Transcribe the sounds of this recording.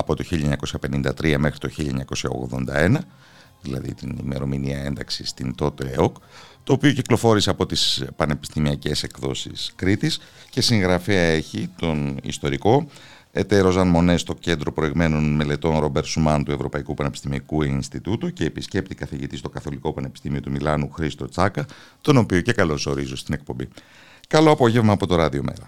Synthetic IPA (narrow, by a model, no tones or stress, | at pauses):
ɐpo̞t̪o̞çiʎɐɲɐko̞sçɐpenind̪ɐt̪ɾiɐme̞xɾit̪o̞çiʎɐ̰ɲɐko̞sɐo̰ɣðo̞nd̪ɐ̰e̞nɐ | ðilɐ̰ðḭt̪inme̞ɾo̞miniɐe̞nd̪ɐksist̪int̪o̞t̪oeokt̪o̞ːpio̞ciklo̞fo̞ɾiseɐpo̞t̪ispɐne̞pist̪imiɐce̞sekðo̞̰sḭskɾit̪isce̞siŋɣɾɐfeɐe̞çit̪o̞nḭst̪o̞ɾiko̞ | e̞t̪e̞ɾo̞zɐnmo̞ne̞st̪o̞ce̞nd̪ɾo̞pɾo̞iɣme̞nonme̞le̞t̪o̞nɾo̞be̞ɾt̪sumɐnt̪ue̞vɾo̞pɐikupɐne̞pi̥st̪imiɐkuinst̪it̪ut̪uceːpisce̞pt̪ikɐθiʝit̪ist̪o̞kɐθo̞liko̞pɐne̞pi̥st̪imio̞t̪umilɐnuxɾist̪ot͡sɐkɐ | t̪o̞no̞pio̞ce̞kɐlo̞so̞ɾizost̪ine̞k̚po̞mbḭ | kɐlo̞ɐpo̞ʝe̞vmɐːpo̞t̪o̞ɾɐðio̞̰mḛɾɐ